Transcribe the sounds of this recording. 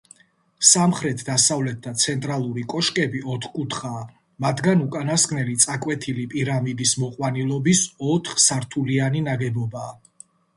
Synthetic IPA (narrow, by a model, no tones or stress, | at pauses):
samχɾɛt̪ʰd̪asavlɛt̪̚d̪at̪sʰɛnt̪ʼɾalˠuɾikʼɔʃkʼɛbiɔt̪ʰχkʼut̪ʰχaː | mat̪ʰɡanukʼanasknɛlit̪sʼakʼwɛt̪ʰilipʼiɾamid̪ismɔqʼwanilˠɔbisɔt̪ʰχsaɾt̪ʰulianinaɡɛbɔbaː